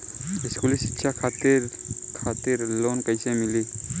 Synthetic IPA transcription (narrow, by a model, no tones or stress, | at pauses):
ɪskuːlisɪ̥tːʃʰakʰaːt̪ɪɾkʰaːt̪ɪɾloːnkəisemɪliː